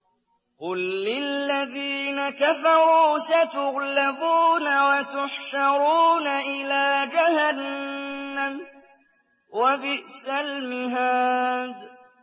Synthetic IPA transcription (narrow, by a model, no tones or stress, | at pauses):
qʊlːɪlːaðiːnakafɑɾuːsat̪ʊɣlabuːnawat̪ʊħʃɑɾuːnaʔɪlaːd͡ʒahanː | am | wabɪʔsalmɪɦaːd̪